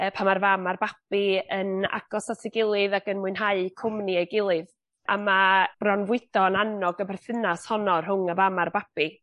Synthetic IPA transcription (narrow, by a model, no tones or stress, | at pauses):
əpʰamarvamarbab̥iəna̰ɡ̥ɔsatʰɪɡɪlˠɨðaɡənmʊɨnɦaɨkʰʊmniejɡɪlˠɨð | ʔamab̥rɔnvwɪdɔnanɔɡəbɛrθɪnashɔnɔrɦʊŋəvamarbab̥i